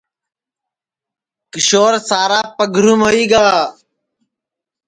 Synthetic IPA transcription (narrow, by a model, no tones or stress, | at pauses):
kɪʃoːɾsaːɾaːpəɡʱɾuːmɦoːiːɡaː